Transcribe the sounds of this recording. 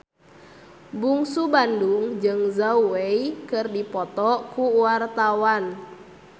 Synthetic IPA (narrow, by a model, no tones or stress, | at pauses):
buŋsubanduŋd͡ʒɨŋzaueikɨrdipɔt̪ɔkuwart̪awan